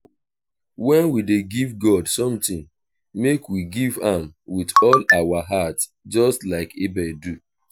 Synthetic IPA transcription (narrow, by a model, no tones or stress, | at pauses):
wɛ̃nwideɡivɡɔdsɔ̃mtĩŋ | mekwiɡivãm | witɔlawaɦat | d͡ʒɔstlaɪkibɛdu